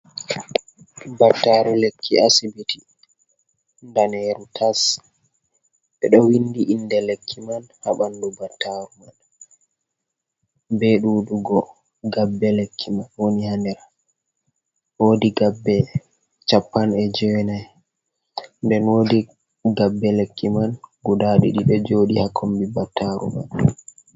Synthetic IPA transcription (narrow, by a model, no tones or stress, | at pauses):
batːaɾulekʰːḭasibiti | ndanɛɾutʰas | ɓɛɗɔwindiʔindɛlekʰːimanhaɓandubatʰːaɾuman | bɛɗuːɗuɡɔ | ɡabːɛlekʰːimanwonihandɛɾa | woːdiɡabːɛ | t͡ʃapːanɛd͡ʒɛwɛnaj | ndɛnwodi | ɡabːɛlekːimanɡudaɗḭɗiɗɔd͡ʒoːɗihakʰombibatʰːaɾṵma̰n